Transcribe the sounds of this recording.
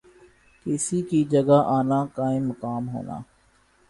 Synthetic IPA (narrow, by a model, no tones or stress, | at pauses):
kɪsikid͡ʒəɡaːʔaːnaːkaːĩːmːəkaːmɦo̰ːna̰ː